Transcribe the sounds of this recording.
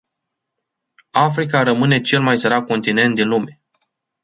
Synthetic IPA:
afɾikaɾəmɨne̞t͡ʃe̞lmajsəɾak̚ko̞nt̪ine̞nt̪̚d̪inlume̞

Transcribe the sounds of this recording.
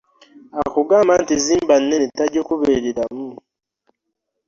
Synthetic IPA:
akuɡaːmaːntiziːmbanːenetːaɟokuβeɾeɾamu

